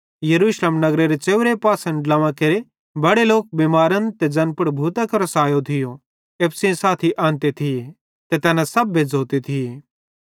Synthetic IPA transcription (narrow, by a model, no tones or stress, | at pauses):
jɐɾuːʃleːmnɐɡɾeɾet͡ʃeːʊʋɾepaːsə̃ɳɖlɐʋãkeɾe | bɐɽeloːk̚bemaːɾənt̪ed͡ʒɐnpʊɽbʱuːt̪akoɾɐsaːjot̪ʰɪjo | eːpʰsĩsaːt̪ʰiʔãːnt̪et̪ʰɪje | t̪et̪ɛːnãsɐbːed͡zʱoːt̪et̪ʰɪjeː